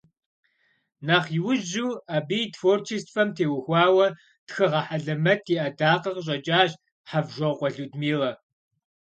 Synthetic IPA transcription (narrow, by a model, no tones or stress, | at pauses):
naːχjɪwʊʑuːaːbiːjtfoːrt͡ʃʰistfɐmtʰeːwʊxʷɑːwɐ | txɨʁɐħaɮɐmɐtʰiʔɐdaːqɐqəɕ̬ʼɐt͡ʃʼaːɕʼ | ħavʒʷɐqʷʼɔɮuːdmiːʁɐ